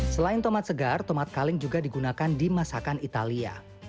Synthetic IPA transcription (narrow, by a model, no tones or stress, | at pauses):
səlaɪnt̪ɔmat̪̚səɡart̪ɔmat̪̚kalɪŋd͡ʒuɡadiɡunakandimasakanit̪alia̰